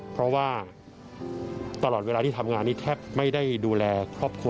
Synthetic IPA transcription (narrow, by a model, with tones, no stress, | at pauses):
pʰɾɔ˦˥waː˥˩ | t̪a˧lɔː˨˩t̪̚weː˧lːʰiː˥˩t̪ʰa˧mŋaː˧nːiː˥˩t̪ʰɛː˥˩p̚ma˥˩jda˥˩jduː˧lɛː˧kʰɾɔː˥˩p̚kʰu˧˩